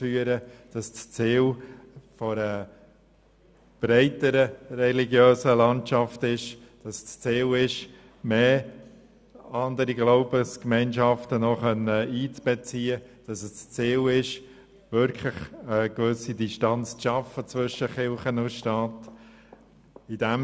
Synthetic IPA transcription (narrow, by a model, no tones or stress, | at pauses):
fyːəɾəd̥ɑst͡st͡siːlfɔɾə | b̥ɾɛɪtəɾərɛliɡjøːsəlɑntt͡ʃɑftɪʃd̥ɑst͡st͡siːlɪʃ | meː | ɑnd̪əɾiɡloʊbəskmɛɪnʃɑftənɔχœnːəiːt͡sb̥ɛt͡siːəd̥ɑsəst͡st͡siːlɪʃ | ʋʏɾkʰlɪχəkvʏsidiʃtɑnt͡st͡sʃɑfət͡svʏʃəχɪlχənʊʃtɑːt | id̥æm